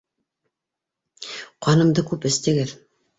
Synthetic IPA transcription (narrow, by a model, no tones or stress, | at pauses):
qɑnɤ̆md̪ɤkʉpɘ̆st̪ɘ̆ɡɘð